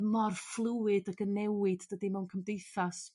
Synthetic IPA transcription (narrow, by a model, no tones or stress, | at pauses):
mɔrflˠɨwɨdaɡənɛwɨdːədimɛwnkʰəmdejθas